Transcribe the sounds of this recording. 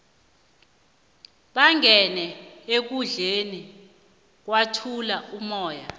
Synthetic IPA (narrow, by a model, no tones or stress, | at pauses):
ɓaŋʱɛnɛek̬uɮeni | k̬watʰulaumɔːja